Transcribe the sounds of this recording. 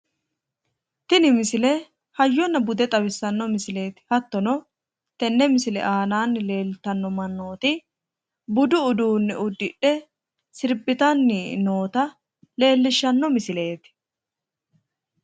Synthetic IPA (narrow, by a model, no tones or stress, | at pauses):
t̪ɪnɪmɪsɪlɛ | hɐjːɔnːɐbʊd̪ɛt̪ʼɐbɪsːɐnːɔmɪsɪle̞ːt̪ɪ̥hɐt̪ːɔnɔ | t̪ɛnːɛmɪsɪlɛ̰ʔaːnaːnːɪle̞ːlt̪ɐnːɔmɐnːo̞ːt̪ɪ | bʊd̪ʊːd̪uːnːɛʔʊd̪ːɪʔɛ | sɪɾbɪt̪ɐnːɪno̞ːt̪ɐ | le̞ːlːɪʃːɐnːɔmɪsɪle̞ːt̪ɪ̥